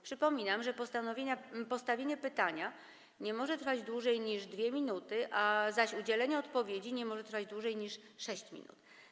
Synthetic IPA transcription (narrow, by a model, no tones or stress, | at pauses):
pʂɘpɔmʲinamʐɛpɔst̪anɔvʲjeɲpɔst̪avʲjeɲɛpɘt̪aɲa | ɲɛmɔʐɛt̪ɾfad͡ʑd̪wuʐɛjɲiʐd̪vʲjeɛmʲinut̪ɘʔazaɕud͡ʑɛlɛɲɛɔt̪pɔvʲjed͡ʑiɲɛmɔʐɛt̪ɾfad͡ʑd̪wuʐɛjɲiʂʂɛɕt͡ɕmʲḭnṵt̪